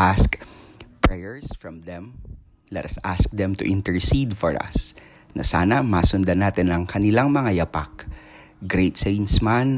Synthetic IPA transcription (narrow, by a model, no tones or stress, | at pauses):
ʔaskpɹɛjɛɹsfɹɐmd̪ɛ̃m | lɛt̪ɐsask̚d̪ɛmt̪ʊʔɪ̃nt̪ɛɹsid̪fɔɹɐ̰s | nɐ̰sa̰ːnɐmasʊnd̪ɐnaːt̪ɛnɐŋkɐnɪlaŋmɐŋajɐpak̚ | ɡɾejt̪sejnsman